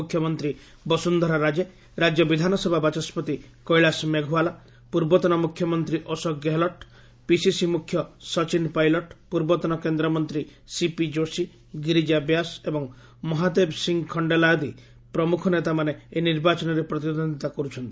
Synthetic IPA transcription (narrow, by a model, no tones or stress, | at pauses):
kʰjɔmɔnt̪ɾi | bɔsund̪ʱɔɾaɾad͡ʒe | ɾad͡ʒjɔbid̪ʱanɔsebʱabat͡ʃɔspɔt̪i | kɔjɭasmeɡʱuala | puɾbɔt̪ɔnɔmukʰjɔmɔnt̪ɾiʔɔsɔkɡeɦlɔʈ | pisisimukʰjɔsɔt͡ʃinpajlɔʈpuɾbɔt̪ɔnɔkend̪ɾɔmɔnt̪ɾisipid͡ʒosi | ɡiɾid͡ʒabjasebɔŋ | mɔɦad̪ebsiŋɡkʰɔɳɖelad̪i | pɾɔmukʰɔnet̪amaneeniɾbat͡ʃɔnɔɾepɾɔt̪iod̪ʱɔnd̪ʱit̪akɔɾut͡ʃʰɔnt̪i̥